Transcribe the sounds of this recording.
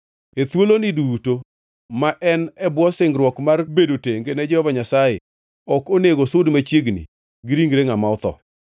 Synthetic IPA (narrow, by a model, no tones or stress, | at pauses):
et̪woloniduto | maʔɛnɛbwɔsɪŋɡɾwɔkmarbedoteŋɡenɛd͡ʒɛhɔvaɲasaje | ɔkoneɡosʊdmat͡ʃjeɡnḭ | ɡɾiŋɡɾeŋamaʊt̪ɔ̰